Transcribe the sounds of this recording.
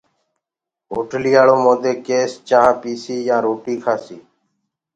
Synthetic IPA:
ɦoːʈliːaːɭõːmõːd̪eːkeːst͡ʃãːãːpiːsiːjãːɾoːʈiːkʰaːsiː

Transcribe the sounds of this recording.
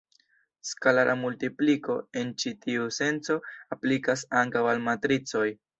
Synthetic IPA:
skalaɾʔamultipliko̞e̞nt͡ʃitiuse̞nt͡so̞aplikasaŋkawalmatɾit͡so̞j

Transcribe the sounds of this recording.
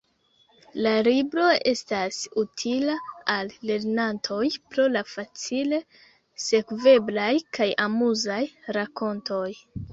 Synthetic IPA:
lalibɾo̞e̞stasutʰilaalːe̞ɾnantʰo̞jpɾo̞lafat͡sile̞ | se̞kve̞blajkajamuzajɾako̞nto̞j

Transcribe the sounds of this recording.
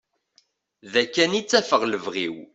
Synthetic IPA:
ðækːænit͡sːæfəʁləvʁiw

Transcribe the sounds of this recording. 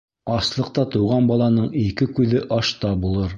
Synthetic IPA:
ɑslˠɤ̆qt̪ɑt̪ɤ̆wʁɑnbɑlˠɑnɤɴikɘkʉðɘʔɑʃt̪ɑbulˠɤɾ

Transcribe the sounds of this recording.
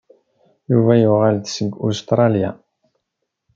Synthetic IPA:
juvæjuʁalθsəɡːust̪ɾˤɑlja̰

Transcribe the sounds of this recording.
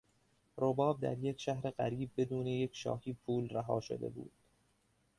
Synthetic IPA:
robɒːb̚d̪æ̰ɾjekʃæɦɾe̞ɢæɾiːb̚ːe̞d̪uːnejecʰʃɒ̰ːhiːpʰuːlræɦɒːʃo̞̰d̪ḛbṵːd̪̥

